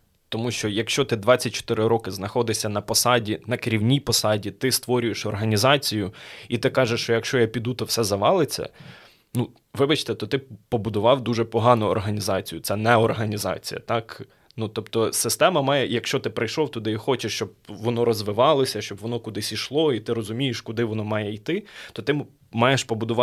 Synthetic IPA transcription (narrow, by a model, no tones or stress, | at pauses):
t̪ɔmuʃt͡ʃɔjɐkʃt͡ʃɔt̪ɪd̪ʋɑt͡sʲːɐt̚ʲt͡ʃɔ̥t̪ɪɾɪɾɔkɪznɐxɔd̪ɪsʲɐnɐpɔsɑdʲinɐkeɾʲiwnʲijpɔsɑdʲit̪ɪst̪ʋɔɾʲʊjeʃɔrɦɐnʲizɑt͡sʲijʊit̪ɪkɑʒeʃt͡ʃɔjɐkʃt͡ʃɔjɐpʲid̪ut̪ɔwsɛzɐʋɑlˠɪt͡sʲːɐ̰ | nu | ʋɪbɐt͡ʃt̪ɛt̪ɔt̪ɪpɔbʊd̪ʊʋɑwd̪uʒɛpɔɦɑnʊɔ̰rɦɐnʲizɑt͡sʲijʊtsɛnɛɔrɦɐnʲizɑ̰t͡sʲḭjɐ̰t̪ɑk | nut̪ɔpt̪ɔsɪst̪ɛmɐmɑjɛjɐkʃt͡ʃɔt̪ɪpɾɐjʃlˠɔwt̪ʊd̪ɪixɔt͡ʃeʃt͡ʃɔb̚ʋɔnɔɾɔzʋɪʋɑlˠɔsʲɐʃt͡ʃɔbʋɔnɔkʊd̪ɪsʲiʃlˠɔit̪ɪɾɔzʊmʲijeʃkʊd̪ɪʋɔnɔmɑjɛijt̪ɪt̪ɔt̪ɪ | mɑjeʃpɔbʊd̪ʊʋɑ